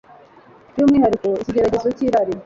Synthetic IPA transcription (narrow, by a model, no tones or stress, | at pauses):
t͡ʃumiɦhaɾikoiciɟeɾaɟe̞zeciɾaɾi